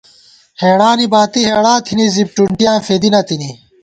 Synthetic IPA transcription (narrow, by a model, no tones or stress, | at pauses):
heːɽaːnibaːt̪iɦeːɽãːt̪ʰinizib̚ʈuɳʈijãːfed̪inɐt̪ini